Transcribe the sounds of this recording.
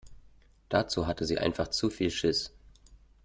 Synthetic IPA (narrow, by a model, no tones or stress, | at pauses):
d̥at͡suːɦatʰəziːʔa̰ɪnfaχt͡sufiːlʃɪs